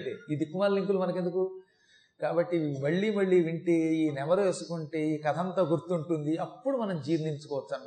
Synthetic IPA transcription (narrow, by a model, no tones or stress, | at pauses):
ʈeːid̪ikumaːɾliŋkulumɐnɐk̬end̪uku | kaːbɐʈːimɐɭːiːmɐɭːiːʋiɳʈeːiːnɛmɐɾɐesukuɳʈe̞ːiːkɐt̪ʰɐnt̪ɐːɡuɾt̪ːuɳʈund̪iɐpːuɽumɐnɐmd͡ʒiːɾniɲt͡ʃu̥kɔːʋɐt͡ʃːɐːm